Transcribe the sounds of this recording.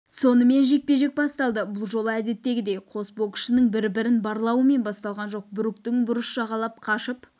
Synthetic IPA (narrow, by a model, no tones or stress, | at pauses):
so̞nəme̞nʒe̞k̚pe̞ʒe̞k̚bɑst̪ɑlˠd̪əbʊlˠʒo̞lˠəæd̪e̞t̪ːe̞ɡʲɪd̪e̞jqʰo̞sbo̞kʲɪ̥ʃɪnəŋbɪɾbɪɾɪnbɑɾlˠɑwəme̞nbɑst̪ɑlˠʁɑnʒo̞q̚bʏɾɪk̚t̪ɪŋbʊɾəsʒɑʁɑlˠɑp̚qʰɑʃəp